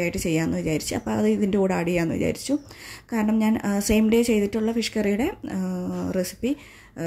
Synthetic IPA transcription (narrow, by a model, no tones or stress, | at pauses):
aːjiʈːɨt͡ɕe̞jːaːnːɨʋit͡ɕaːɾit͡ɕːɨɐ̰pːoːɐðɨiðindeoːɽaːɽijaːnːɨʋḭt͡ɕa̰ːɾit͡ɕːu | kaːɾɐɳɐmɲaːnse̞jmɖe̞t͡ɕe̞jt̪iʈːuɭːɐfiʂkɐrijuɽe̞ | resi̥pːi